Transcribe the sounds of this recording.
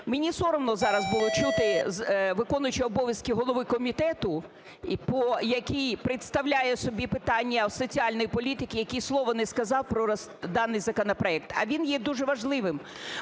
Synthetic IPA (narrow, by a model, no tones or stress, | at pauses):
menʲisɔɾɔmnɔzɑɾɐzbʊlˠɔt͡ʃut̪ɪzʋɪkɔnʊjʊt͡ʃɪɔbɔʋʲjɐskʲiɦɔlˠɔʋɪkɔmʲit̪ɛt̪ʊ | pɔjɐkʲijpɾɪt̪st̪ɐwlʲajɛsɔbʲipɪt̪ɑnʲːɐsɔt͡sʲiɑlʲnɔjipɔlʲit̪ɪkʲɪjɐkʲijslˠɔʋɔnɛskɐzɑwpɾɔɐs | d̪ɑnːɪjzɐkɔnɐpɾɔɛk̚t̪ɐ̰ʋʲinjɛd̪uʒɛʋɐʒlˠɪʋɪm